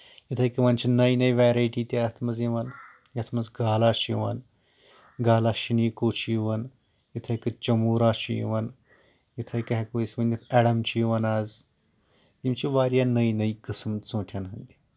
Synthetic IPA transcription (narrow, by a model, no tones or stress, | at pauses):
jit̪ʰɐjkiʋɐːnt͡ʃʰinɐjnɐjʋeːɾajʈiːt̪ʲat̪ʰmɐziʋɐn | jɐt̪ʰmɐzɡaːlaːʃiʋa̰n | ɡaːlaːʃinikoːt͡ʃʰiʋɐn | jit̪ʰɐjkɨt͡ʃɐmuːɾaːʃijḭʋɐn | jit̪ʰɐjkɐɦekoisʲmɐnʲit̪ʰɛːɽɐmt͡ʃiʋɐnaːz | j̪imt͡ʃiʋaːɾjanɐjnɐikɨsəmt͡sõːʈʰanɦɐnd̪i̥